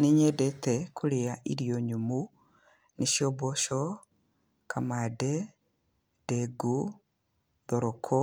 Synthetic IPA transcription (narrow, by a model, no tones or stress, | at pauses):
neɲɛdɛtɛkʰuɾeaʔiɾijoɲumu | niʃjɔbɔʃɔ | kʰamadɛ | d̥ɛɡu | ðɔɾɔkʰɔ